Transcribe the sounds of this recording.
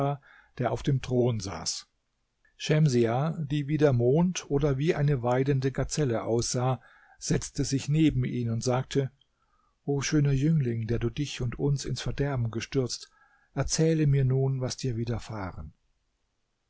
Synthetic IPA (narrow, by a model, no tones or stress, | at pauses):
a | d̥eːɐʔaʊfd̥eːmtʁ̥oːnza̰ːs | ʃɛmziad̥iːviːdeːɐmoːntʰʔoːdɐviːʔaɪnəvaɪdəndəɡaɐt͡sɛləʔa̰ʊsz̥aː | z̥ɛt͡stəzɪçneːbm̩iːnʊntz̥aːk̚tʰə | ʔoːʃøːnɐjʏŋlɪŋdeːɐduːdɪçʊntʰʊnsɪnsfɛɐdɛɐbm̩ɡəʃtʏɐt͡st | ʔɛɐt͡sɛːləmiːɐnuːnvasd̥iːɐviːdɐfaːʁən